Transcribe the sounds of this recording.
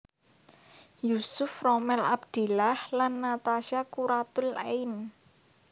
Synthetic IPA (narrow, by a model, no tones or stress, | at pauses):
jusʊfrɔmɛla̰bd̪̥e̤lahlanːat̪aʃakuɾat̪ʊlein